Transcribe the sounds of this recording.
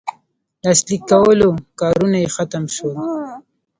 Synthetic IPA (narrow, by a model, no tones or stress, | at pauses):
lɑslikːawəlokɑɾunajexat̪amʃo